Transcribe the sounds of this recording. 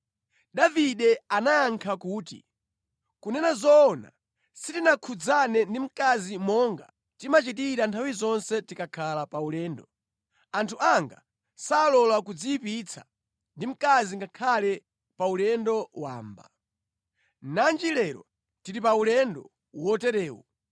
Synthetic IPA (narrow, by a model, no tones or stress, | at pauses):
ɗaviɗɛanajaŋkʰakuːtḭ | kunɛnazɔːna̰ | sitinakʰud͡zanɛndim̩kazimɔŋɡa̰ | timat͡ʃitiɾantʰawizɔnsɛtikakʰalapaulɛːndɔ | antʰuʔaŋɡa | saːlɔlakud͡ziipit͡sʰa | ndim̩kaziŋɡakʰalɛ | paulɛndɔwa̰ːmba̰ | nand͡ʒilɛɾɔ̰ | tiɾipaulɛndɔ | wɔtɛɾɛːwɔ̰